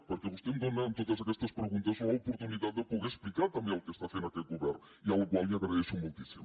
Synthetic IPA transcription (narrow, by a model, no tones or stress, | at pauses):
poɾkeβust̪end̪onent̪oðasakest̪aspɾeɣũnt̪asuaopoɾt̪uniðad̪̚d̪epoɣesplikaɾt̪ambjẽalkest̪afenaket̪̚ɡoβɛɾn | ialokwalmaɣɾaðesomolt̪isimo